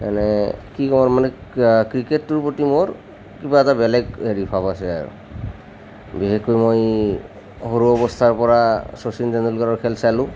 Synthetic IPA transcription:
kanɛkikɔmɔɹmanɛkɹiketːuɹpotimɔɹ | kibaɛtabɛlɛɡɦeɹipʰabasɛa̰ɹṵ | biɦekojmoj | hoɹuɔbɔst̪ʰaɹpɔɹasosinzandulɡaɹɔɹkʰɛlsalʊ̃

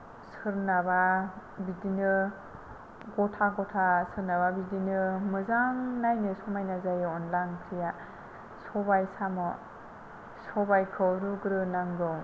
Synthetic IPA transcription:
sɯɾnababidinɯ | ɡɔtʰaɡɔtʰasɯɾnaβabidinɯmɯzaŋnajnɯsɔmajnazajɯɔnlaŋkʰija | sɔbajsamɔ | sɔbajkʰɯwɾuɡɾɯnaŋɡɯw

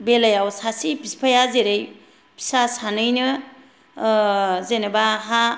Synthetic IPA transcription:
belajawsasipispʰajazeɾej | pʰi̥sasanɯjnɯ | zenebaɦa

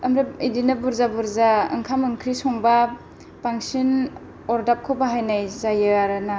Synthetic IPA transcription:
ɯmɾaidinabuɾzabuɾzaɯ̰ŋkʰamɯŋkʰɾisɔŋba | paŋsin | ɔɾdap̚kʰobaɦajnajzajɯaɾɯna

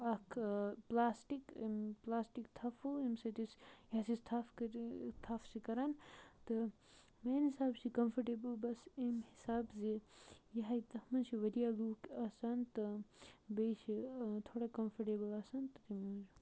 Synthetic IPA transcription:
ɐkʰplaːsʈikmplaːsʈikt̪ʰɐfʰuimsɐt̪isjaɦasist̪ʰafkɐɾt̪ʰafsikɐɾant̪ɨ | meːnhisaːbsikɐmfʰɐʈeːbɐlbɐsimhisaːbzijɐɦait̪ɐhmɐnsʰiʋɐd̪ijaluːkɐsant̪ɨbejʃit̪ʰoːɽakɐmfʰɐɾʈebɐlɐsɐnt̪ɨt̪imuz

